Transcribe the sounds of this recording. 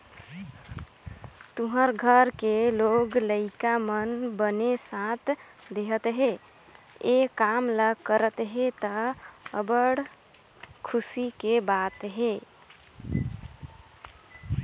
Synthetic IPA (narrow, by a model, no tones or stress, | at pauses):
t̪uɦəɾɡʱəɾkeloɡləɪkamənbənesãt̪ʰ | d̪eɦət̪ɦe | ekamləkəɾət̪ɦet̪əəbəɽ | kʰusikebat̪ɦe